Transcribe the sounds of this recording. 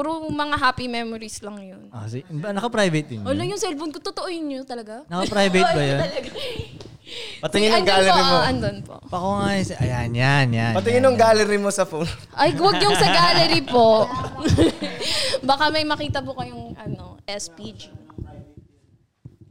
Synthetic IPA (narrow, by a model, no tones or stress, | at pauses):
uɾomɐŋaɦaːpimɛmoɾislɐŋjonosbɐnɐkɐpɾajvɐt̪̚d̪ɪɲoːlɐŋjʊŋsɛlfonkot̪ot̪oʔojʊnot̪ɐlɐɡanɐkɐpɾajvɐjt̪bɐjon | pɐt̪ɪŋɪnɐŋɡaloioɐnd̪onpo̰ʔpɐkoŋajsʔɐ̰janjanjapɐt̪ɪŋɪnʊŋɡalɛɾimosɐfon | ʔɐjwɐɡjoŋsɐɡaːlɛɾipoʔ | bɐkamɐjmɐkiːt̪ɐbokɐjʊŋʔɐno̞ʔɛspid͡ʒi